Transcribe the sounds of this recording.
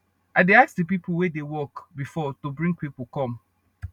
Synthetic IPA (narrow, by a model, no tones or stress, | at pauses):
adeaksdəpipʰl̩ˠwedewɔkbifɔtubɹĩŋɡ̚pipol̩ˠkɔ̃m